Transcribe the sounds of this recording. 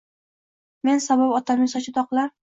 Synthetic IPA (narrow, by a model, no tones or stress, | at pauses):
me̞nsababɒt̪ʰamɪsɒt͡ʃʰɪt̪ɒqlˠaɾ